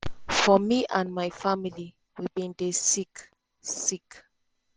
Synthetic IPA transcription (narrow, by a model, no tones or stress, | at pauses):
fɔmiʔãnmajfamili | wibĩndesik | sik